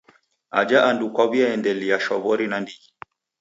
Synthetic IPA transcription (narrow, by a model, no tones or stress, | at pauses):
a̰d͡ʒaʔandukwaβiaɛndɛliaʃɔβɔɾinandiɡi